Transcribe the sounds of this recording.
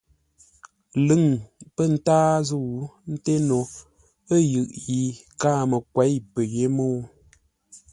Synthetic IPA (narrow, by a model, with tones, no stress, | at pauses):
lɨ˦˨ŋpə˦˨n̩˦taː˦zu˦˨˦n̩˦te˦no˨ | ə˦jɯ˨ʔji˨ | kaː˦˨mə˨kwɛ˨˦jpə˨ɣe˦moː˦